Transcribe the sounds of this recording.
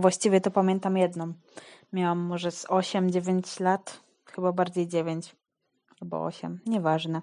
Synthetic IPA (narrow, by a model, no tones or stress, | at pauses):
vwaɕt͡ɕivʲjɛt̪ɔpamʲjɛnt̪amjɛd̪nɔ̃m | mʲjawamːɔʐɛzɔɕɛmd͡ʑevʲeɲt͡ɕlat̪ | xɘbabaɾd͡ʑejd͡ʑevʲjeɲt͡ɕ | albɔ̰ɔ̰ɕɛ̰mɲɛvaʐnɛ